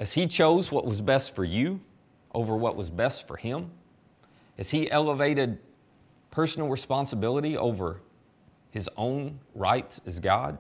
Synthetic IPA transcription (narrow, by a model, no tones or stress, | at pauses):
ʔɨz̥it͡ʃʰoʊzwʌʔwʌzbɛstfə˞jɨ | ʔoʊvə˞wʌ̰ʔwʌzbɛstfə̰˞ɪ̃m | ɨz̥iʔɛlˠəveɪɾɨd̚ | pʰɜ˞sn̩l̩ˠɹɨspɑ̃nsəbɪlˠəɾiʔo̰ʊvə˞ | ɨzõʊ̃nɹa̰ɪtsɨzɡɑ̰d̥̚